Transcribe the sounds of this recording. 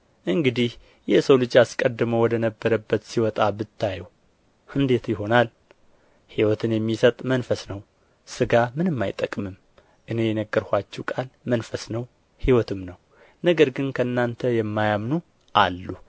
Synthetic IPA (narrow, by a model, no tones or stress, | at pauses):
ʔɨŋɡɨd̪ih | jɛsəwlɨd͡ʒaskʼəd̪ːɨməwɔd̪ənəbːəɾəbːət̪siwɔt̪ʼabɨt̪ʰːajɛw | ʔɨnd̪e̞t̪jɪɦo̞nal | hiwɔt̪ʰɨnjɛmːisət̪ʼmənfəsnəw | sɨɡamɨnɨmːajt̪ʼːəkʼmɨm | ʔɨne̞jɛnəɡːəɾhʷat͡ʃːɛwkʼalmənfəsnəw | hiwɔt̪ʰɨmnəw | nəɡəɾɡɨnkʰəɨnːant̪ʰəjɛmːajamnu | ʔalːu